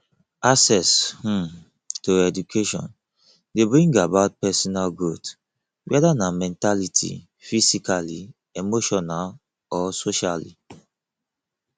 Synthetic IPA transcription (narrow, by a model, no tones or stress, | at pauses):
asɛsh̩ | toɛdukʰeʃɔ̰̃n | debɹĩŋɡabaʊt̚pɛsɔnalɡot | wɛdanamɛ̃ntalitʰḭ | fisikali | emoʃɔnal | ɔsoʃalḭ